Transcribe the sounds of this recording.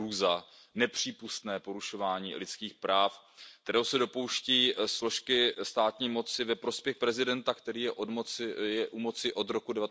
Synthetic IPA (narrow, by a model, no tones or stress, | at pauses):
uza | nɛpr̝̥iːpust̪nɛːpo̞ɾuʃo̞vaːɲḭːlɪt͡skiːxpɾaːf | kkt̪ɛɾowsɛdo̞po̞wʃcɛiːslo̞ʃkɪst̪aːt̪ɲiːmo̞t͡sɪvɛpɾo̞spjɛxpɾɛzɪdɛnt̪akt̪ɛɾiːjɛʔomjɛʔumo̞t͡sɪʔo̞d̪ɾo̞kudɛvat̪